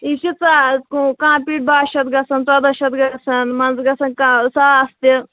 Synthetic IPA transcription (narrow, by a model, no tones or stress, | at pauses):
iʃit͡sakukãːpiːʈ̚baːʃɐt̪̚ɡɐsɐnt͡sɐd̪ɐʃɐt̪ɡɐsɐnmɐnzɡɐsɐnkasaɐst̪e